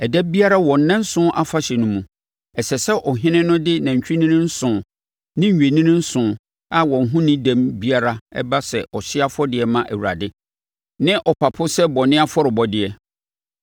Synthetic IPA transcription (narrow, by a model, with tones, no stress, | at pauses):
ɛ˨dɛ˦bi˦a˦ɾa˦wɔ̃˨n˨nɪ̃˦n̩˦sʊ̃˦ʔa˦fa˦ɕɛ˨nʊ̃˦mũ˨ | ɛ˨sɛ˨sɛ˦ʔɔ˨ɦɪ̃˦nɪ̃˦nʊ̃˦dɪ˦nã˨ɲ̩˨t͡ɕᶣi˦nĩ˦nɪ̃˦n̩˦sʊ̃˨ | nɪ̃˦ɲ̩˨ɥᶣe˨nĩ˦nɪ̃˦n̩˦sʊ̃˨ | a˦wɔ̃˨n˨ɦũ˦nɪ̃˦dæ̃˦mbi˦a˦ɾa˦ɛ̰˦ba˦sɛ˨ʔɔ˨ɕɪ˦a˦fɔ˦dɪ˨ɛ˨mã˦ʔæ˨wu˨ɾa̰˨dɪ˦ | nɪ̃˦ʔɔ˨pʰa˨pʰʊ˦sɛ˦bɔ˨nɪ̃˦a˦fɔ˦ɾɪ˨bɔ˨dɪ˨ɛ˨